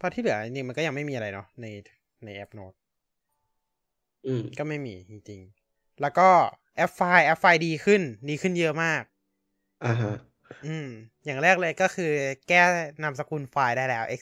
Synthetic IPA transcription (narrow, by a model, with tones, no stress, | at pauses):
pʰɔ˧t̪ʰiː˥˩lɯ˩˦i˧ni˧ma˧nkɔ˥˩ja˧ma˥˩jmiː˧ʔa˧ɾa˧jnɔ˦˥na˧j | na˧jʔɛ˦˥p̚noː˦˥t̪̚ | ʔɯː˧˩mkɔː˥˩ma˥˩jmḭː˧t͡ɕi˧ŋt͡ɕi˧ŋ | lɛː˦˥wkɔː˥˩ | ʔɛ˦˥p̚faː˧jʔɛ˦˥p̚faː˧jdiː˧kʰɯ˥˩ndiː˧kʰɯ˥˩njɤ˦˥maː˥˩k̚ | ʔa˧˩ɦa˦˥ | ʔɯː˧m | jaː˨˩ŋɾɛː˥˩k̚lɤː˧jkɔː˥˩kʰɯː˧kɛː˥˩na˧ms̬a˧ku˧nfaː˧jdaː˥˩jlɛː˦˥wʔe˦˥k̚